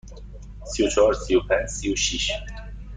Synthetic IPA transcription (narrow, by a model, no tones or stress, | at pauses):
siot͡ʃʰɔːɾsiopʰænd͡ʒsioʃiʃ